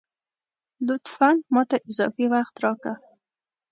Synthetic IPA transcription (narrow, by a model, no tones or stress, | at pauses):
lʊt̪fanmɑt̪aʔɪzɑ̰fiwaxt̪ɾɑka